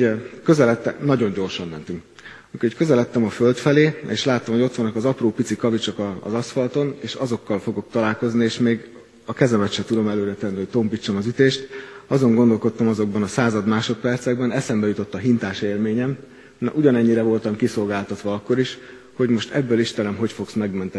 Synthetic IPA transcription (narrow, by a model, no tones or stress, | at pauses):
kø̞zɛlɛt̪ːɛnɒɟo̞ɲɟo̞rʃɒmːɛnt̪yŋk | mikoɾickø̞zɛlɛt̪ːɛmɒfølt̪fɛleːḛːʃlaːt̪ːomho̞ɟo̞t̪ʋɒnːɒkɒzɒproːpit̪sikɒvit͡ʃokɒ̰ːzɒsfɒlt̪o̞neːʃɒzo̞kːɒlfo̞ɡo̞k̚t̪ɒlaːlko̞znieːʃmeːɡ | ɒkɛzɛmɛt̪ʃɛt̪ud̪o̞mɛløːɾɛt̪ɛnːiho̞ct̪o̞mpit͡ʃːɒmɒzyt̪eːʃt̪ɒzo̞ŋɡo̞nd̪olko̞t̪ːɒmɒzo̞ɡbɒnɒsaːzɒd̪maːʃo̞t̪pɛrt̪sɛɡbɛnɛsɛmbɛjut̪o̞t̪ːɒɦint̪aːʃeːlmeːɲɛm | nɛ̰ʔuɟɒnɛɲːiɾɛvo̞lt̪ɒmkiso̞lɡaːlt̪ɒt̪ʋɒːkːo̞ɾiʃ | ho̞ɟmo̞ʃt̪ɛbːøliʃt̪ɛnɛmɦo̞cfo̞ksmɛɡmɛnt̪ɛi